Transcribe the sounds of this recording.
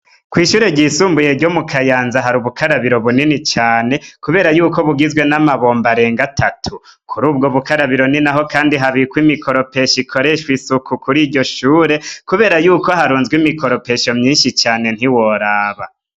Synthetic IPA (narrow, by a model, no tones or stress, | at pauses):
kwiːʃuːɾe̞ɟiːsuːmbuje̞ɾɟo̞mukʰajaːnzaɦaɾuβukʰaɾaβiɾo̞βuninit͡ʃaːne̞kuβe̞ːɾajuːko̞βuɡizɡwe̞namaβo̞ːmbaɾe̞ːŋɡatʰatʰu | kʰuɾuːb̚ɡoβukaɾaβiɾo̞ninaɦo̞kaːndiɦaβikwimikʰo̞ɾo̞pe̞ʃikʰo̞ɾe̞ʃwisukukuɾiːɾɟo̞ʃuːɾe̞kuβe̞ːɾajuːko̞ɦaɾuːnzɡwimiko̞ɾo̞pe̞ʃo̞mɲiːnʃit͡ʃaːne̞n̥hiwo̞ɾaːβa